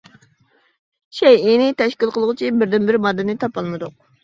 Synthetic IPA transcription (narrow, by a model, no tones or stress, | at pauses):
ʃɛjinɪt̪ʰɛʃkʲilˠqʰəlˠʁɨt͡ʃʰibɪɾd̪ɪnbɪɾmɑd̪ːɨnɪt̪ʰɑpɑlˠmɨd̪ʊq̚